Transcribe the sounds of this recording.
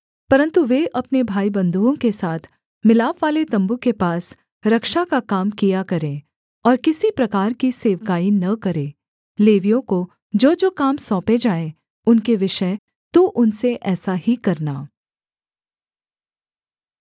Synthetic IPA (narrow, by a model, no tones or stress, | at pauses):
pɐɾə̃nt̪uʋeʔɐpnebʱaːibɐ̃nd̪uːõkesaːt̪ʰ | mɪlaːpʋaːlet̪ɐ̃mbukepaːs | ɾɐkʃakakaːmkijakɐɾẽ | ɔːɾkɪsipɾɐkaːɾkiseːʋkaːinɐkɐɾẽː | leːʋijõko | d͡ʒoːd͡ʒoːkaːmsɔːped͡ʒaːe | ʊnkeʋɪʃə | t̪oʔʊnseʔɛːsaɦikɐɾnaː